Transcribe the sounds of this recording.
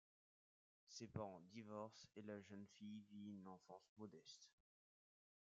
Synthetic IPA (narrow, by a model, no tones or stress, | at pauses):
sepaʁɑ̃d̪ivɔʁselaʒənfijviynɑ̃fɑ̃smɔd̪ɛst̪